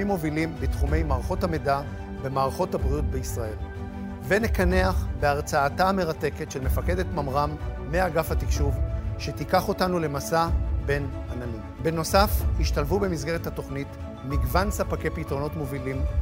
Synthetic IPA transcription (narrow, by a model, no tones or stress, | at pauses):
imːo̞vilimbitχume̞jmaːʁaχo̞thameda | be̞maːʁaχo̞tabʁijut̚beisʁae̞l | venekaneaχbeaʁt͡saːtaame̞ʁate̞ke̞tʃelmefake̞d̪etmamʁamː | eaɡafhatikʃuvʃe̞tikaχo̞tanule̞masabe̞nananimbeno̞safhiʃtalvube̞mizɡe̞ʁethato̞χnit | miɡvansapake̞jpitʁo̞no̞tmo̞vilim